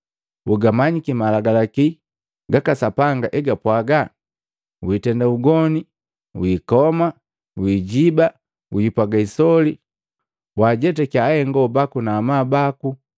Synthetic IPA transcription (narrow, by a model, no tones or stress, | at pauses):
uɡamaɲikimalaɡalaki | ɡakasapaŋɡaʔɛɡapwaɡa | witɛndauɡɔni | wikɔma | wiɟiba | wiipwaɡaisɔli | waɟɛtɛkahɛŋɡɔbakunaːmaːbaku